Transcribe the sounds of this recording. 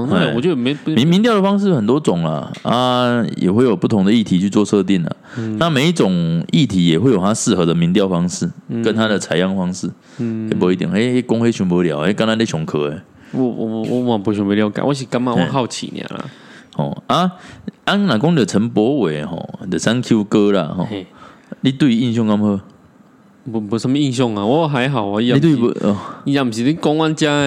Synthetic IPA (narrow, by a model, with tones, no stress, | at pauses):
e˥˨˩ɔ̰˨t͡ɕjo˥˩˨me˧˦mi˧˦mi˧nt̪jɑ˥˩ə˩fɑ˥ŋʂ̬ɻ̩˥˨xə˨˩nt̪wɔ˥t͡sʊ˨˩ŋla̰˨˩a˦jɛ̰˨˩xwe˥˩ɪjo˨˩ʊpu˥˩t̪ʰʊ˧˥ŋd̪ə˨i˥˩t̪ʰi˧˥t͡ɕʰy˥˧t͡swɔ˥˧ʂɤ˥˧t̪i˥˩nla̰˩na˥˨me˨ɪi˥˩t͡sʊ˨˩ŋi˥˩t̪ʰi˨˥˦jɛ˨˩xwe˥˩ɪjo˨˩t̪ʰa˦˥ʂɹ̩˥˧xɤ˧˦d̪ə˨mi˧˥nt̪jɑ˥˨ʊfɑ˥ŋʂɻ̩˥˩kə˦nt̪ʰa˦d̪ə˨t͡sʰa˨˥ɪjɑ˥˩ŋfɑ˥ŋʂɻ̩˥˩ | e˨˩p̬ɔ˧˥i˥˩t̪jɛ̰˨˩ŋe˥˩e˥kʊ˥ŋwe˥ɕɥy˧˥npə˧˥˦ljɑ˨˦ʊe˥˦ka˥˦na˧˥nt̪e˥ɕjɔ˧˥ŋkʰɤ˧˥e˨˩ | wɔ̰˧w̰wɔ˧˦˧ã˨˩bɔ˨˧˦ɕ̬bə˧ja˧ʊka̰˨˦wɔ˧˦ɕ̬i˨˩ka˦ŋmã˧˦ɔ̃˨˦kʰa˥˧ʊt͡ɕʰḭ˨n̰ã̰˨˩la̰˨˩hɔ̰˨˩a˦a˦nnã˨˩kɔ˦ŋi˨ə˨˩t͡sʰə˨˦npwɔ˨˦we˨˩hɔ̰˨˩˨d̪ə˨sa˦nkʰju˦kə˦la̰˨ɦɔ̰˨˩ | li˦t̪wi˥˧i˧˦i˥˧ŋɕ̬jɔ˥˧ŋka˦˥mhə˥˧˨ | bbu˨˦sə˧˦m˧i˥˧ŋɕ̬jɔ˥˧ŋa˨wɔ˦ɦa˨˦ɪɦa˨˩ʊa˨i˧a˨˧˦t̪̬i˥˨˧i˦˧ja˨˧˩m̩˨ɕi˨ti˦kɔ˦ŋwa˦nt͡ɕja˦˨